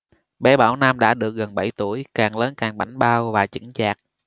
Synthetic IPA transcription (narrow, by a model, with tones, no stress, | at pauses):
ɓɛ˧˦ɓaː˧˩wna˧mɗa̰ː˧˥ɗɨ˨˩ək̚ɣə˨˩nɓa˧˩jt̪u˧˩əjkaː˨˩ŋləː˨˦nkaː˨˩ŋɓa˧˩jŋ̟ɓaː˧wvaː˨˩t͡ɕḭ˧˥˦ŋt͡ɕaː˨˩k̚